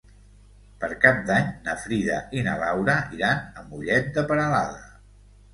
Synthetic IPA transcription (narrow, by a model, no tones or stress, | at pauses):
pəɾkap̚d̪aɲnəfɾiðə̰ʔinəlawɾəiɾanəmbuʎɛt̪̚d̪əpəɾəlaðə